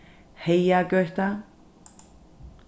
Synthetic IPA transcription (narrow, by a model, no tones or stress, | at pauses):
hejaɡœht̪a